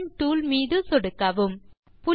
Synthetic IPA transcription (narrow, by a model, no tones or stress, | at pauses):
nʈuːlmiːðɯsɔɽɯkːɐʋɯm | pʊ